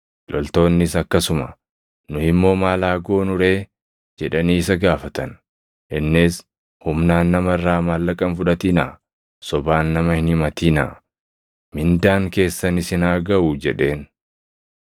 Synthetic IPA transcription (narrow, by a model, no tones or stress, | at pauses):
lʔɔlt̪o̞ːnːɪsɐkːɐsʊmɐ | nʊhɪmːo̞ːmaːlaːɡo̞ːnʊɾe̞ː | d͡ʒɛᶑɐniːɪs̬ɐɡaːfɐt̪ɐn | ʔɪnːeːs | hʊmnaːnːɐmɐrːaːmalːɐkʼɐnfʊᶑɐt̪iːna̰ː | sɔbaːnːɐmɐhɪnɪmɐt̪iːna̰ː | mɪnd̪aːŋke̞ːsːɐnɪsɪnaːɡɐʔuːd͡ʒɛᶑe̞ːn